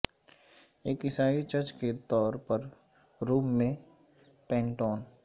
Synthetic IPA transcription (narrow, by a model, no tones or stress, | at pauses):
eːkɪsaːit͡ʃəɾt͡ʃket̪ɔːɾpəɾ | ɾuːmːẽ | pɛ̃ːɳʈɔːn